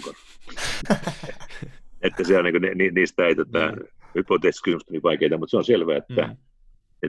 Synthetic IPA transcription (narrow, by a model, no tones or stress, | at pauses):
kon | et̪ːæseolniŋkoneniːniːst̪æeit̪ot̪ɑ̰hypot̪eskysymyst̪oniʋɑikeit̪ɑmut̪seonselʋæ̰ːet̪ːæ | e